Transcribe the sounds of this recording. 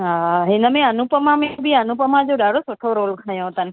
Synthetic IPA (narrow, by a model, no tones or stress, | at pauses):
ɦaːɦɪnəmẽɐnupəmãmẽbʱiənũpəmãd͡ʑoːɗaːɽosʊʈʰoɾoːlkʰajõt̪ənɪ̆